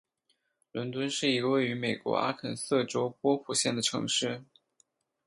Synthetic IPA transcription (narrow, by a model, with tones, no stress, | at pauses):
lwə˧˥nt̪wə˥nʂɻ̩˥˩i˧˥ə˧we˥˩ɪy˧˥me˨˩ɪkwɔ̰˧˥a̰˥kʰə˨˩nsɤ˥˩ʈ͡ʂo˥ʊpwɔ˥pʰu˨˩ɕjɛ˥˩nd̪ə˩ʈ͡ʂʰɤ̰˧˥ŋʂɻ̩˥˩